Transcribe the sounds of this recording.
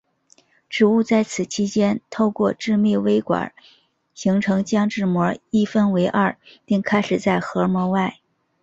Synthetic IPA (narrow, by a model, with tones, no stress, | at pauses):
ʈ͡ʂɻ̩˨˩u˥˧t͡sa˥˩ɪt͡sʰɹ̩˨˩t͡ɕʰi˥t͡ɕjɛ˥nt̪ʰo˥˧ʊkwɔ˥˧ʈ͡ʂɻ̩˥˧mi˥˩we˥ɪkwa̰˨˩˦ | ɕi˧˥ŋʈ͡ʂʰɤ˧˥ŋt͡ɕjɑ˥ŋʈ͡ʂɻ̩˥˩mwɔ˧˥i˥˩fə˥nwe˧˥ɪʔa˥˧˩pi˥˩ŋkʰa˥ɪʂɻ̩˨˩t͡sa˥˩ɪxɤ˧˥mwɔ˧˥wa˥˩ɪ